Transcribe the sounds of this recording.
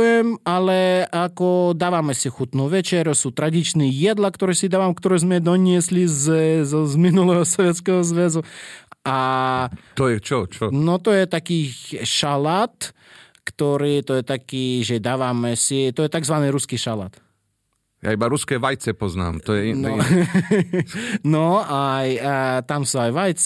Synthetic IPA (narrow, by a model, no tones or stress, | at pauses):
jɛmalɛʔakɔd̪aːʋamɛsixut̪nuʋɛt͡ʃɛɾɔsuːt̪ɾad̪it͡ʃniːjɛd̪lakt̪ɔɾɛːsid̪aːʋamkt̪ɔɾɛzmɛd̪ɔɲɪɛslizzɔzminulɛɦɔsɔʋɛt̪t͡skɛɦɔzʋɛzua | t̪ɔjɛt͡ʃɔt͡ʃɔnɔt̪ɔjɛt̪akiːʃalat̪ | kt̪ɔɾiːt̪ɔjɛt̪akiːʒɛd̪aːʋamɛsit̪ɔjɛt̪aɡzʋaniːɾuskiʃala̰t̪ | ja̰ibaɾuskɛːʋajt͡sɛpɔzna̰ːmt̪ɔjɛnɔ | nɔajt̪amsuajʋajt͡s